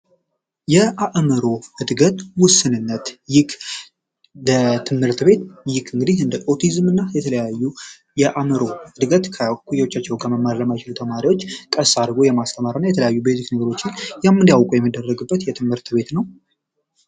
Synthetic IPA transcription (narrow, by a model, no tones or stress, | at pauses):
jɛʔaʔməɾo̞ɨd̪ɡət̪wʊsːɨnɨnːət̪jɪkʰ | lət̪ʰɨmhɨɾt̪be̞t̪jɪkʰɨŋɡɨd̪ihɨnd̪əʔo̞t̪ʰizmɨnːajɛt̪ʰələjajːu | jɛʔaməɾo̞ɨd̪ɡət̪kʰəkʰujɛwot͡ʃːat͡ʃːɛwkʰəməmːaɾləmajt͡ʃɪlut̪ʰəmaɾiwo̞t͡ʃːkʼəsad̪ɡo̞jɛmast̪ʰəmaɾɨnːajɛt̪ʰələjajːubejziknəɡəɾo̞t͡ʃːɪnjamːɨnd̪jawkʼujɛmːid̪ːərːəɡɨbːət̪jɛt̪ʰɨmhɨɾt̪be̞t̪nəw